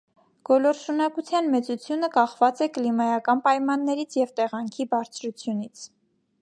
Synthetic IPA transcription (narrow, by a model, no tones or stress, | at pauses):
ɡ̥ɔlɔɾʃunɑkut͡sʰjɑnmɛt͡sut͡sʰjunəkɑχvɑt͡sɛklimɑjɑkɑnpɑjmɑnːɛɾit͡sʰjɛvt̪ɛʁɑŋkʰibɑɾt͡sʰɾut͡sʰjunit͡sʰ